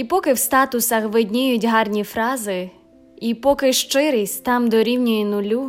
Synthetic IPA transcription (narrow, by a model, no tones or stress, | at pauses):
ipɔkɪwst̪ɑt̪ʊsɐxʋɪdʲnʲɪjʊtʲɦɑrnʲifɾɑzɪ | ipɔkɪʃt͡ʃɪɾɪsʲt̪ɑmd̪ɔɾʲiwnʲɔjinʊlʲu